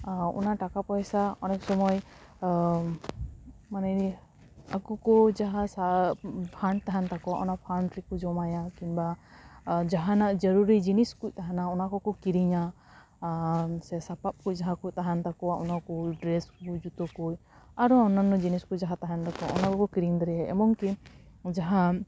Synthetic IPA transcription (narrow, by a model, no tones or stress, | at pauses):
ṵnaʈakapɔjsaɔnɛk̚sɔmɔj | manɛ | akɔkɔd͡ʒaɦasapʰaɳ̚t̪aɦant̪akɔaʔɔnapʰawnʈɾikɔd͡ʒɔmajakiba | d͡ʒaɦanaʔd͡ʒəɾuɾid͡ʒiniskuc̚t̪aɦanaɔnakɔkɔkiɾiɲa | sɛsapap̚kuc̚d͡ʒaɦakuc̚t̪aɦant̪akɔwaʔɔnakɔɖɾɛsud͡ʒut̪ɔkuj | aɾɔɔnanɔd͡ʒiniskud͡ʒaɦat̪aɦant̪akɔa̰ʔɔ̰nakɔkɔkiɾiŋd̪ɔɾɛɛɛ̰mɔŋki | d͡ʒaɦa